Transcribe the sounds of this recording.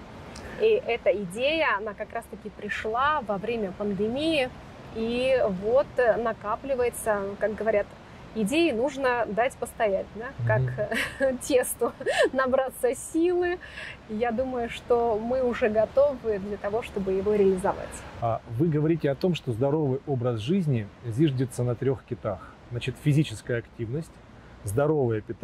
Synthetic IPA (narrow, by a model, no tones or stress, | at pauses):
iʔɛt̪əɪdʲejəɐnakɐkɾast̪əkʲɪpɾʲɪʂlˠavɐvɾʲemʲəpənd̪ɨmʲijɪ | ivo̞t̪nɐkaplʲɪvəjɪt̪səkak̚ɡəvɐɾʲat̪ | ɪdʲejɪnuʐnəd̪atʲpəst̪ɐjæt̚ʲd̪akak | tʲe̞st̪ʊnɐbɾat̪səsʲilˠɨjad̪uməjʊʂt̪o̞mɨʊʐɛɡɐt̪o̞vɨd̪lʲɐt̪ɐvo̞ʂt̪o̞bɨjɪvo̞ɾʲɪəlʲɪzɐva̰tʲavɨɡəvɐɾʲitʲɪɐt̪o̞mʂt̪o̞zd̪ɐɾo̞vɨjo̞bɾəsʐɨzʲnʲɪzʲiʐdʲɪt̪sənət̪ɾʲo̞xkʲɪt̪axznat͡ɕɪt̪fʲɪzʲit͡ɕɪskəjəɐktʲivnəsʲtʲ | zd̪ɐɾo̞vəjəpʲɪt̪